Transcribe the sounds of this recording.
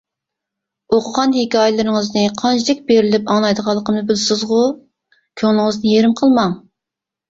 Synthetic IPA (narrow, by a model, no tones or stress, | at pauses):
oqʰʊʁɑnhekʲʰɑːjɪlˠɨɾɪŋəznɨqʰɑnt͡ʃʰid̪ɛk̚ʲbeɾɪlɪpɑŋlˠɑjd̪əʁɑlˠːəqʰəmnɨbɪlsɪzʁʊ | kʲʰøŋnɪŋəznɨjeɾɪmqʰəlˠmɑŋ